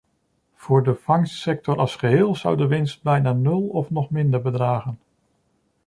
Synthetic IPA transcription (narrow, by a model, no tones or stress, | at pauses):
v̥ʊːɹdəv̥ɑŋssɛk̚tɔɾɑlˠsχəɦɪːlˠzʌ̰wdəʋɪnst̚bɛjnaːnɵlˠɔfnɔχmɪndəɹbədraːχən